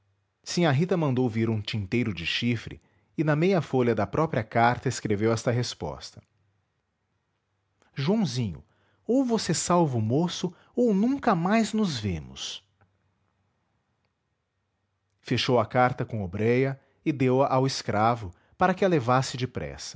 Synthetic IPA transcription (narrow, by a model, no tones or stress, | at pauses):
sĩaɦit̪ɐmɐ̃nd̪owviɾũt͡ʃĩnt̪ejɾʊd͡ʒɪʃifɾɪ̰ | ɪnɐmejɐfoʎɐd̪ɐpɾɔpɾiɐkaɾt̪ɐeskɾevewɛst̪ɐɦespɔ̰st̪ɐ̥ | ʒuɐ̃w̃zĩɲʊ̰ | owvosesawvʊːmosʊ | ownũŋkɐmajznʊzvḛ̃mʊ̰s | feʃowɐkaɾt̪ɐkõobɾɛjɐ | ɪd̪ewɐʔawɪskɾavʊ | paɾɐkɪɐlevasɪd͡ʒɪpɾɛ̰sɐ̥